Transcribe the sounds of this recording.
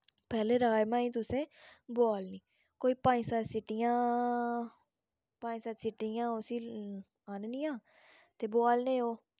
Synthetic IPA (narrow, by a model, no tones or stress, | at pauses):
pɛːleːɾaːjmãːĩːt̪ʊsẽːboaːlnĩː | koːiːpãːd͡ʒsasɪʈijãː | pãːd͡ʒsət̪sɪʈːijãːʊsiː | aːnniːãː | t̪eːboaːlnĩːɦoː